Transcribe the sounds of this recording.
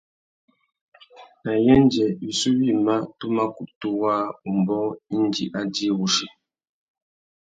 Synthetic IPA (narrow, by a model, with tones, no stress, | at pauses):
na˨jɛ˦n˦d͡ʒɛ˨i˨su˦wi˦˨ma˦tu˦ma˦ku˦˨ʔtu˦waː˦u˨m˨bɔ˦i˦n˦d͡ʒḭ˨ʔa˦di˦ɣu˦ʃi˨